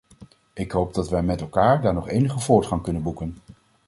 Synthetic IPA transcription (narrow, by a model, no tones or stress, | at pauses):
ɪkɦowb̚dɑtʋɛjmɛtɛlˠkaːɹdaːɹnɔχejnəχəvʊːɹtχɑŋkɵnənbukən